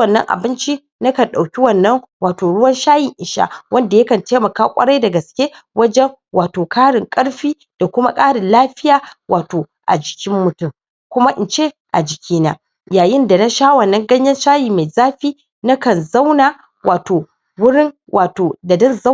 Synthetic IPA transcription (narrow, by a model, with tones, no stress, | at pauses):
wɐ˨nːɐ̰˦ŋʔa̰˨bɪ˦nt͡ʃi˦ | nɐ˦kɐ˨nɗa˨wkʲi˦wɐ˦nːɐ˦ŋwaː˨toː˨ɽʊ˦wɐ˦nʃaː˦jɪ˨ŋʔɪ˨ʃa̰ː˦wɐ˦nda˨jɐ˦kɐ˨nteː˦mɐ˨kaː˦kʷʼɐ̰˦ɽa˦jdɐ˨ɡɐ˨skʲe˦ | wɐ˦d͡ʒɛ˦ŋ | waː˨toː˨kʰaː˦ɽɪ˨ŋkʼɐ˦ɽɸiː˦ | d̥a˨kʷʊ˦ma̰˦kʼaː˦ɽɪ˨nlaː˦ɸɪ˦jaː˨wʔaː˨toː˨ | ʔa̰˨d͡ʒɪ̥˨kʲɪ˦mːʊ˨tʊ˦m | kʷʊ˦ma˦ʔɪ˨nt͡ʃe˦˨ | ʔa˨d͡ʒɪ˨kʲʰiː˦na̰˦ | jaː˨jɪ˦nda˨na˦ʃaː˦wɐ˨nːɐ˦ŋɡɐ˦ɲjɐ˦nʃaː˦jiː˨ma˨jzaː˦ɸiː˦ | nɐ˦kɐ˨nza˦wnaː˨ | wʔaː˨toː˨ | wʊ˦ɽɪ˦n | wʔaː˨toː˨da˨dɐ˦nza˦